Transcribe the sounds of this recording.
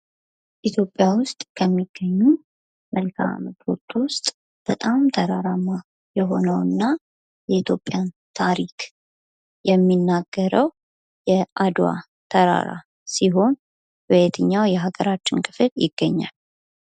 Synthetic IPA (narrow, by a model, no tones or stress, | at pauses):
ʔit̪ʰjo̞pʼːjawʊst̪ʼkʰəmːiɡ̥ːəɲːu | mʔəlkʰa̰mət̪ot̪ʰːwʊst̪ʼ | b̥ət̪ʼamt̪ʰəɾaɾamːa | jɛɦo̞nəwɨnːa | jɛit̪ʰjo̞pʼːjan | t̪ʰaɾikʰ | jɛmːinːaɡ̥ːəɾəw | jɛʔad̪wa̰ | t̪ʰəɾa̰ɾa̰ | siɦo̞n | bəjɛt̪ʰɨɲːawjɛɦaɡəɾat͡ʃːɪnkʰɨfɨljɪ̰ɡ̥ːəɲːa̰l